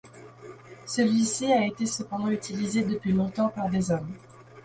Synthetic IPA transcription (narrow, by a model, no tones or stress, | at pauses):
səlɥiseaet̪esəpɑ̃d̪ɑ̃yt̪ilized̪əpɥilɔ̃t̪ɑ̃paʁd̪ezɔm